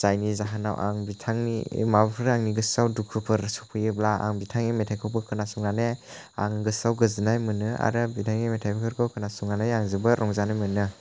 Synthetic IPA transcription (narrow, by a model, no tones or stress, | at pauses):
z̥ajnizaɦana̰wʔa̰ŋbitʰaŋnḭmabpʰɯɾaŋniɡɯsawdukʰɾɯpʰɯɾsɔpʰɯjɯb̚laa̰ŋbitʰaŋimetʰajkʰɯwpʰɯkʰɯnasuŋanea̰ŋɡɯsawɡɯzɯnajmɯnɯa̰ɾɯbitʰaŋimetʰajpʰikʰɯɾkʰɯkʰɯnasuŋnanajaŋzɯbɯɾʔɔŋzanajmɯnɯ